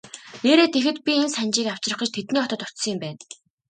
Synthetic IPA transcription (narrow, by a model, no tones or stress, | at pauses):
neːɾeːt̪exɘ̆t̪̚pʲiensænt͡ɕiːkaw̥t͡ɕrə̆χə̆t͡ɕt̪ʰet̪niːɔt̪ɞ̆t̪ʊ̥t͡ɕsə̆ŋɪ̆mpæːn